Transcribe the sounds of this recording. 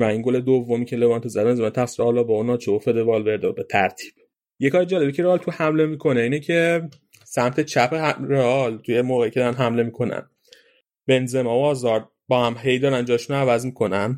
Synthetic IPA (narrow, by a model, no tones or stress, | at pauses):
væiŋɡoled̪ovːomiːcʰe̞le̞vɒːnt̪ʰozæd̪benzemænt̪ʰæxsiɾɒːlɒːbɒonɒːt͡ʃʰeofe̞d̪evɒlbe̞ɾd̪ɒbe̞t̪ʰæɾt̪ʰi̥ːb̥ | jekʰɒːjed͡ʒæːlebicʰe̞ɾeɒːlt̪ʰuhæmle̞miːkʰo̞neiːnecʰe̞ | sæmt̪ʰe̞t͡ʃʰæpʰeɾeɒlt̪ʰujemoːɣeicʰeɒːɾænɦæmle̞miːkʰo̞næ̰n | be̞nzemɒːoɒːzɒɾ̚ | bɒːhæmɦe̞jd̪ɒːɾænd͡ʒɒːʃunoævæzmiːkʰo̞næn